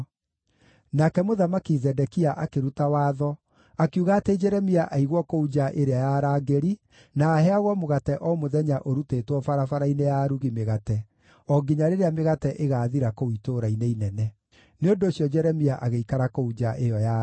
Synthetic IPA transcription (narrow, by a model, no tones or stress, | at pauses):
nakɛmoðamakizɛdɛkiaʔakeɾutawaːðɔ | akuɣaːted͡ʒɛɾɛmiaʔaiɣwɔkoud͡ʒaʔeɾeajaɾaːɡeɾi | naːɦɛaɣwɔmoɣatɛʔɔmoðɛɲaʔoɾutetwɔfaɾafaɾainejaɾuɣimeɣatɛ | ɔɡiɲaɾeɾeameɣatɛʔeɣaːðiɾakowitoɾaineinɛnɛ | neondoːɕjɔd͡ʒɛɾɛmiaʔaɣeikaɾakoud͡ʒaʔejɔja